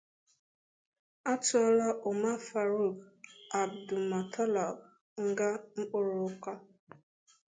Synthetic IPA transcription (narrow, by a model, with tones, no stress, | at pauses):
a˦tʊ˨ɔ˦la˦ʔʊ˨ma˦fa˨ɾu˦˨ɡa˨bdʊ˨ma˨tʰɔ˦lɔ˨b | ŋ̩˦ɡa˦ŋ͡m̩˦k͡pʊ˦ɾʊ˨ʊ˦kʷa˦